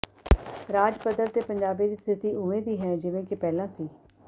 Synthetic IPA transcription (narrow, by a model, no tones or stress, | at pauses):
ɾaːd͡ʒpəd̪əɾt̪eːpəɲd͡ʒaːbiːd̪iːst̪ʰɪt̪iːʔʊmẽːd̪iːɦɛːd͡ʒɪʋẽːkɪpɛːlãːsiː